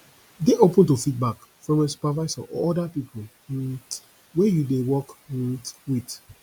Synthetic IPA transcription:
deʔopə̃ntufit̚bakfɹɔ̃mɛ̃su̥pavaɪsɔ̰ʔɔ̰ɔdapipʰol̩ | wɛjudewɔkm̩wit

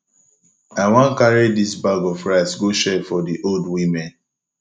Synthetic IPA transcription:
aɪwãnkaɾidisbaɡɔfɹasɡoʃɛfɔdiʔoldwimɛ̃n

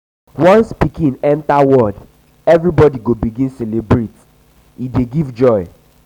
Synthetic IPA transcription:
wɔ̃nspikĩnɛ̃ntawɔd | ɛvɹibɔdiɡobiɡĩnsɛlebɹet | ideɡivd͡ʒɔɪ

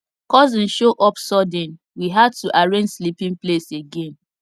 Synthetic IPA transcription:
kɔzĩnʃoʔɔpsɔdɛ̃n | wiɦad̚tuʔaɹẽnd͡ʒslipĩŋpleseɡẽn

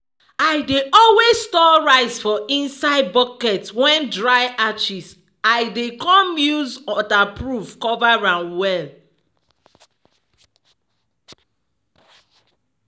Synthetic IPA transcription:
aɪdeʔɔlwezstɔɹaɪzfɔĩnsaɪd̚bɔkɛtwɛ̃ndɹaɪat͡ʃis | aɪdekɔ̃mjuzɔtapɹufkɔvaɹãnwɛl

